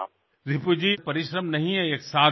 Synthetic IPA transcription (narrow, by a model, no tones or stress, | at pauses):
ɾɪpud͡ʒipɐɾɪʃɾəmnɐɦĩɦɛeːksaː